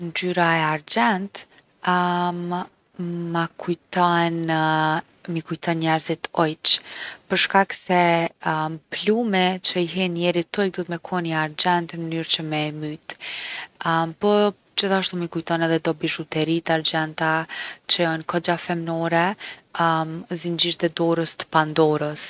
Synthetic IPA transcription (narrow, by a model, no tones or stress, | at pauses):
nd͡ʑyɾaɛaɾd͡ʒɛnt̪ | makʰujt̪ɔn | mikujt̪ɔnɲaɾzit̪ɔjt͡ʃpəɾʃkaksɛmplumɛt͡ɕəiɦɛnjɛɾit̪ɔjk̚d̪ɔt̪mɛkʰɔniaɾd͡ʒɛnt̪əmənyɾt͡ɕəmɛmyt̪ | pɔ | d͡ʑəθaʃt̪umikujt̪ɔnɛðɛd̪ɔbiʃut̪ɛɾit̪aɾd͡ʒɛnt̪at͡ɕəɔnkʰɔd͡ʑafɛmnɔɾɛ | zind͡ʑiʃd̪ɛd̪ɔɾəst̪ə̥pand̪ɔɾəs